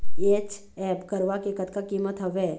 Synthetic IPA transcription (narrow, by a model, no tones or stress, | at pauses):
eːt͡ʃ | ɛːpkəɾʋakekət̪kakiːmət̪ɦɐʋɛː